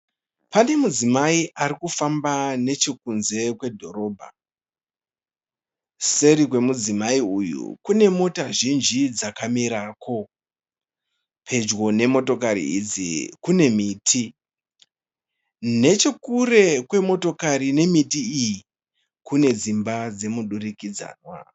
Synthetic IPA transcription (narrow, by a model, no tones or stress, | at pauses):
pane̞mud͡zimaiʔarikufambane̞t͡ʃe̞kunze̞kwe̞dʱo̞ɾo̞ːbʱa̰ | se̞ɾikwe̞mud͡zimaiujṵkune̞mo̞taʒind͡ʒid͡zakamiɾaːko̞ | pʰe̞d͡ʒɣo̞ne̞mo̞to̞kaɾḭid͡zḭkune̞miːtʰi | ne̞t͡ʃekure̞kwe̞mo̞to̞kaɾine̞mitiiji | kune̞d͡zimbad͡ze̞muɗurikid͡za̰ːnwa̰